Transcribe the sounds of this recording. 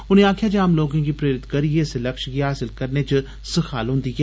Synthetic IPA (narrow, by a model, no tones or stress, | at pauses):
ʊnẽaːkʰjaːd͡ʒeaːmloːɡãɡiːpɾeːɾɪt̪kəɾieɪseləkʃɡiːɦaːsɪlkəɾneːt͡ʃ | səxʰaːlɦʊ̃nd̪iːɦɛː